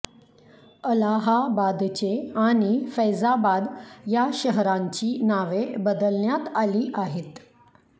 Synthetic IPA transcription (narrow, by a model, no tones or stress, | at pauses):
əlaɦabad̪t͡ɕeaɽ̃ifəjzabad̪jaɕəɦɾaɲt͡ɕiːnaʋebəd̪əlnjat̪aliːʔaɦet̪